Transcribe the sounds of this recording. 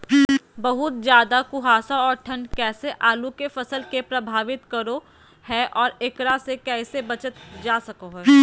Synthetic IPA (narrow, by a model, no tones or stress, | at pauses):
bɐɦʊt̪̚d͡ʒjaːd̪akʊɦaːsãɔːɾʈʰɐ̃ɳɖkɛːseʔaːlukefɐsəlkepɾɐbʱaːʋɪt̪kɐɾo | hɛʔɔːɾekɾasekɛːsebɐt͡ʃət̪d͡ʒaːsɐkoɦɛː